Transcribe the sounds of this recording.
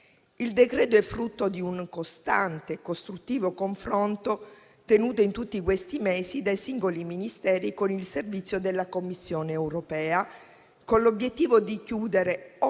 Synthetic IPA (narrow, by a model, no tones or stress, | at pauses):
ild̪ekɾeːd̪oɛfːɾut̪ːod̪iuŋkost̪ant̪ekost̪ɾut̪ːiːvokoɱfɾont̪o | t̪enuːt̪oint̪ut̪ːikwest̪imeːsid̪ajsiŋɡoliminist̪ɛːɾikonilservit̪sːjod̪elːakomːisːjoːneːwɾopɛːa | konlobjet̪ːiːvod̪ikjuːd̪eɾe